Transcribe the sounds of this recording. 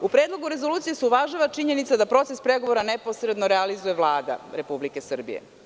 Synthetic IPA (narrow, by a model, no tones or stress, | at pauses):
upɾeːd̪lˠo̞ɡuɾezo̞luːt̪sije̞seuʋaʒaʋat͡ʂiɲe̞nit̪sad̪apɾo̞t̪sespɾeɡo̞ʋoɾaneposɾed̪no̞ɾealizujeʋlˠaːd̪a̰ɾepublike̞sr̩bḭjḛ